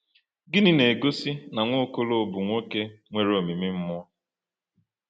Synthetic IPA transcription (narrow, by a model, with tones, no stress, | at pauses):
ɡɪ˦nɪ˦ne˨ɡo˦si˦na˨ŋʷo˦˨ko˦lo˦o˨bʊ˨ŋʷo˦ke˦ŋʷe˨ɾo˨mi˨mi˦m̩˦mʊ˦ɔ˦